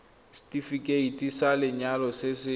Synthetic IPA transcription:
si̥tʼifikʼeitʼisalɪɲalɔsɪsɪ

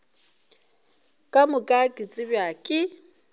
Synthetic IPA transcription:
kʼamʊkʼakʼɪt͡sʼɪbjakʼɪ

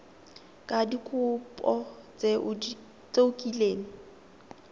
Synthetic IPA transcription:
kʼadikʰʊpʼɔt͡sʼe | t͡sʼeʊkʼileːŋ̩

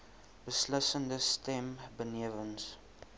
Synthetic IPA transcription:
b̥əsləsəndəstɛmbəniəvəns

